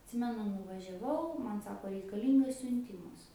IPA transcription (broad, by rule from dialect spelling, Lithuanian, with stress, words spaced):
ɐtʲˈsʲɪmʲɛnʊ nʊʋɐʒʲɛˈʋɐʊ mɐn ˈsɑːkoː rʲɛɪkɐˈlʲiːŋɡɐs sʲʊnʲˈtʲɪmɐs